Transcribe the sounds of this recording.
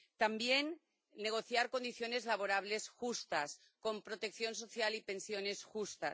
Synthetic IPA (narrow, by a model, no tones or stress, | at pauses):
t̪ambje̞nː | e̞ɣo̞θjaɾko̞nd̪iθjo̞ne̞zlaβ̞oɾaβ̞le̞sxust̪as | ko̞mpɾo̞t̪e̞k̚θjo̞nso̞θjalipe̞nsjo̞ne̞sxust̪a̰